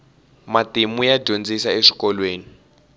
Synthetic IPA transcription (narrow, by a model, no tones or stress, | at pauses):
matimujḁɟʱond͡zisaeʂi̥kɔlweːni